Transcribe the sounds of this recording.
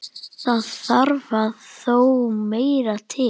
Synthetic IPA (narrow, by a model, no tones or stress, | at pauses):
θaðθaɾvaðθowmeːjɾat̪ʰɪ